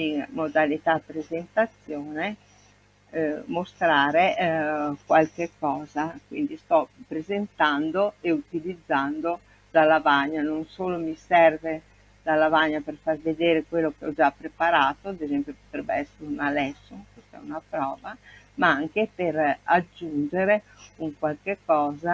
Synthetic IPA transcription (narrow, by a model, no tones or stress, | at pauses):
iŋmod̪alit̪apːɾezent̪at̪sːjoːne | most̪ɾaːɾe | kwalk̟ekːɔːzakwind̪ist̪ɔpɾezent̪and̪oeut̪ilid̪zːand̪o | d̪alːavaɲːanoŋsoːlomisɛrve | d̪alːavaɲːaperfarved̪eːɾekwelːokeɔd͡ʒapːɾepaɾaːt̪oad̪ezɛmpjopot̪ɾɛbːḛɛsːeɾeunalɛsːoŋkwest̪ɛ̰unapɾɔːvamaaŋkepeɾad͡ʒːund͡ʒeɾeuŋkwalk̟ekːɔːza